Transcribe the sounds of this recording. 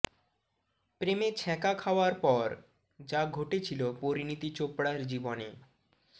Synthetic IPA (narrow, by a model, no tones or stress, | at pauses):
pɾemet͡ɕʰɛkakʰaoaɾpɔɾ | d͡ʑaɡʱoʈet͡ɕʰilopoɾinit̪it͡ɕopɽaɾd͡ʑibone